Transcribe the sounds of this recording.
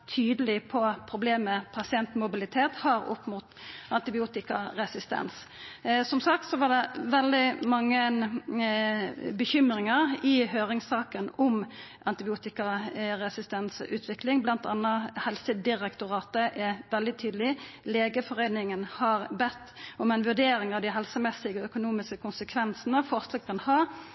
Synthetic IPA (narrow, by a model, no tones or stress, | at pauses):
t̪ʰyːd̪əlɪpʰɔpʰʁʊbleːməpʰɑsɪɛnt̪mʊbɪlɪt̪ʰeːt̪hɑɾʊ̰pmʊt̪ʔɑnt̪ɪbɪuːt̪ɪkɑɾɛsɪst̪ɛ̰ns | sɔmsɑk̚t̪sɔʋɑd̪ɛʋɛld̪ɪmɑŋːə | bəçʏmɾɪŋəʁɪɦøːʁɪŋsɑːkənɔm | ʔɑnt̪ɪbɪuːt̪ɪkɑɾɛsɪst̪ɛnsʉ̰ːt̪ʰʋɪklɪŋblɑnt̪ɑ̰nːəhɛlsəd̪ɪʁɛkt̪ʊʁɑːt̪əʔɛʋɛld̪ɪt̪ʰyːd̪əlɪleːɡəfɔʁeɪnɪŋənhɑʁbɛt̪ːɔmɛɪnʋʉʁd̪eːɾɪŋɑʋd̪ɪɦɛlsəmɛsɪɡəœkʊnuːmɪskəkʰʊnsəkʰʋɛnsənəfɔsləkɑnhɑː